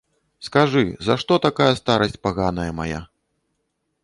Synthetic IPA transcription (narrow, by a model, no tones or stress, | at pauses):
skaʐɨzaʂt̪ɔt̪akajɐst̪aɾɐsʲt͡sʲpaɣanɐjɐmaja̰